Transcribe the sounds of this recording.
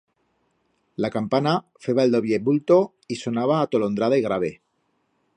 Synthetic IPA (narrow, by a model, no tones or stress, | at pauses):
lakampana | feβaeld̪o̞βje̞βult̪o̞ | iso̞naβaːt̪o̞lond̪ɾaðaiɣ̞ɾaβe